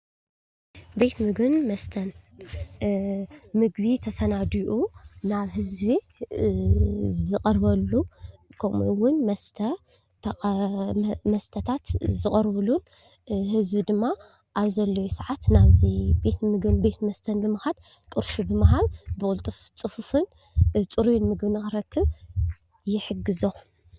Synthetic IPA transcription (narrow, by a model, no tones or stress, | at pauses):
be̞t̪mɨɡɨnmɐst̪ʰɐn | mɨɡbit̪ʰɐsɐnad̪iʔunaβhɨzbi | zɨqʼɐɾβɐlːukʰomwʊnmɐst̪ʰɐ | mɐst̪ʰɐt̪ʰat̪zɨχʼɐɾβɨlun | hɨzbid̪ɨmːa | ʔaβzɐlːojusɐʕat̪naβzibe̞t̪mɨɡbe̞t̪mɐst̪ʰɐnbɨmahad̪ | kʼɨɾʃubɨmɐɦalbɨkʼult̪ʼɨft͡sʼɨfufɨn | t͡sʼɨɾujunmɨɡbɨnɨxɨɾɐkʰːɨβ | jɪħɨɡɨzo